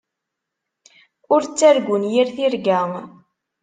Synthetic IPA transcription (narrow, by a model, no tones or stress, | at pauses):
ʊɾt͡sːæɾɡʷʊnjiɾθiɾɡæŋ